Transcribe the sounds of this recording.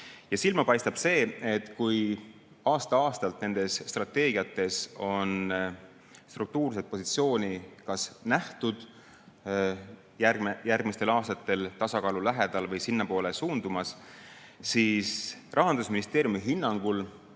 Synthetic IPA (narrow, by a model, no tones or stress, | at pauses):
jɑsilmɑpɑjst̪ɑb̥se̞ːe̞t̪ːˑkuj | ɑːst̪ɑɑːst̪ɑlt̪ne̞nd̪̥e̞sːt̪rɑt̪ːˑe̞ːɡiɑt̪ːˑe̞so̞n | st̪ruk̚t̪uːrse̞t̪̚po̞sit̪sio̞ːnʲikɑsnæht̪ud̪̥ | jæɡmejærɡ̥mist̪e̞lɑːst̪ɑt̪ːˑe̞lt̪ɑsɑkɑːlulæɦe̞d̪̥ɑlvɤjsinːɑpo̞ːlesuːnd̪̥umɑs | siːsrʔɑɦɑnd̪usminist̪eːɾjumiɦinːɑŋɡ̥ul